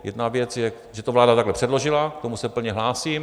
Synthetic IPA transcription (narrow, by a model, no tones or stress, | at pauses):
jɛ̰dnavjɛt͡sjɛ | ʒɛt̪ovlaːdat̪aɡlɛpr̝̥ɛdlo̞ʒɪlakt̪o̞musɛpl̩ɲɛɦlaːsiːm